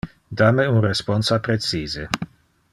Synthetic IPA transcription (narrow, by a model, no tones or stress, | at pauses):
d̪ameunrespɔnsapɾet͡siːze